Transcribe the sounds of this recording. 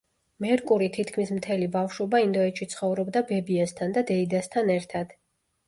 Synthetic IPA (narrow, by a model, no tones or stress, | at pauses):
mɛɾkʼuɾit̪ʰit̪ʰkʰmismt̪ʰɛlibafʃubaind̪ɔɛt͡ʃʃʰit̪sʰχɔvɾɔbd̪abɛbiast̪ʰand̪ad̪ɛid̪ast̪ʰanɛɾt̪ʰad̪̥